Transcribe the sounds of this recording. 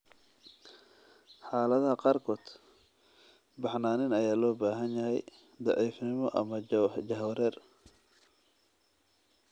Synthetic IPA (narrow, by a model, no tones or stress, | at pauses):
ħaːlɐðɐhɐqɑːrkʰɔːd̪ | bɑħnaːnɪnɐjaːlɔːbaːɦɐnjɐɦɛ̰j | d̪ɑʕiːfnɪmɔʔɐ̰mɐd͡ʒɐɦwɾɛːr